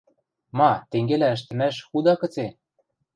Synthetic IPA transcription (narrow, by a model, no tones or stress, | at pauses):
mɑt̪eŋɡelæə̆ʃ̬t̪ɘ̆mæʃxud̪ɑkɤ̆t͡se